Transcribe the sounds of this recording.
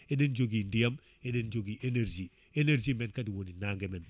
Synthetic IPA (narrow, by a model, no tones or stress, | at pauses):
ɛdend͡ʒoɡindiam | edend͡ʒoɡiʔeneɾd͡ʒi | eneɾd͡ʒimɛnkadiwoninaŋɡɛmɛn